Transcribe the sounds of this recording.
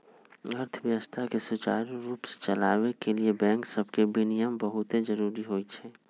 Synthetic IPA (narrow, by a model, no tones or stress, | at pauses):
ɐɾt̪ʰəʋjəʋəst̪ʰakesʊt͡ʃa̰ːɾuɾuːpse̥t͡ʃɐlaːʋekeliebɛ̃ːŋksɐbkebʱinɪjəmbɐɦʊt̪ezəɾuːɾiɦoːit͡ʃʰɛː